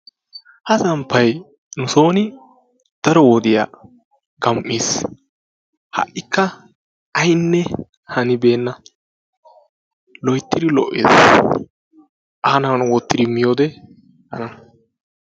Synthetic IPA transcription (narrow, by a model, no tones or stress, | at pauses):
hɐsɐmpːɐj | nʊso̞ːnɪ | d̪̥ɐɾɔwod̪ɪja̰ː | ɡɐmʔːiːs | hɐ̰ʔːɪkːɐ | ɐjnːɛ | hɐnɪbe̞ːnːɐ | lɔjt̪ːɪd̪ɪlɔʔːḛːs | ʔaːnɐnʊwɔt̪ːɪd̪ɪmɪjoːd̪ɛ | hɐnɐn